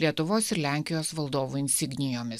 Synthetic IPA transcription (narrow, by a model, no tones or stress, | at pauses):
lʲiɛt̪ʊʋoːsɪɾlʲæˑŋʲkʲɪjoːsʋɐlˠd̪oːʋuːɪnʲsʲɪɡnʲɪjoːmʲɪs